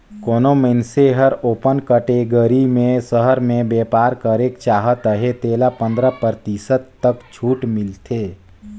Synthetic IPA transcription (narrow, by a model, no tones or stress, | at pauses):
koːnoməɪnseɦəɾoːpənkəʈeɡəɾimẽsəɦəɾmẽbeːpaːɾkəɾekt͡ʃaːɦət̪əɦet̪eːlapə̃nd̪ɾəpəɾt̪isət̪ːəkt͡ʃʰuːʈmɪlt̪ʰeː